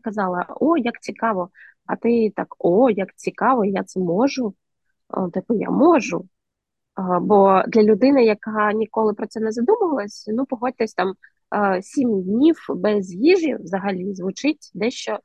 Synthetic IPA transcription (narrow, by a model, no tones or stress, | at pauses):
kɐzɑlˠɐɔjɐkt͡sʲikɑʋɔ | ɐt̪ɪt̪ɑkɔjɐkt͡sʲikɑʋɔjat̪sɛmɔʒʊ̰ | t̪ɪpʊja̰mɔʒʊ | bɔd̪lʲɐlʲʊd̪ɪnɪjɐkɑnʲikɔlˠɪpɾɔt͡s̪ʲsɛnɛzɐd̪umʊʋɐlˠɐsʲnupɔɦɔdʲt̪ɛsʲt̪ɑm | sʲimd̪ʲnʲiwbɛzjiʒʲḭʋzɐɦɐlʲizʋʊt͡ʃɪt̚ʲd̪ɛʃt͡ʃɔ